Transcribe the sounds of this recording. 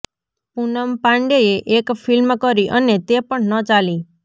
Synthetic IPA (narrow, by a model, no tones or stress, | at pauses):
punəmpãɳɖeeʔekfʰilmkəɾiʔənet̪epəɳnət͡ʃali